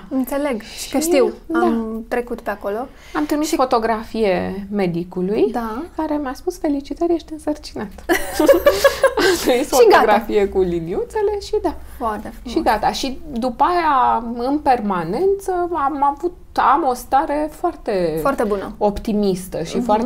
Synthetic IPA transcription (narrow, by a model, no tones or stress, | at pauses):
ɨnt̪se̞leɡʃʃkəʃt̪iwdaat̪ɾe̞kut̪peakolo | amt̪ɾimisfo̞t̪o̞ɡɾafijeme̞d̪ikulujd̪akaɾe̞mjaspusfe̞lit͡ʃit̪ərʲjeʃt̪ɨnsərt͡ʃinat̪ | amt̪ɾimisfʃoiɡoɡɾafije̞kuliniut̪se̞le̞ʃid̪afoaɾt̪efʃʃiɡat̪aʃid̪upajaɨnpe̞rmane̞nt̪səamavut̪amo̞st̪aɾe̞foart̪e̞foart̪ebunə̰o̞pt̪imist̪əʃifoar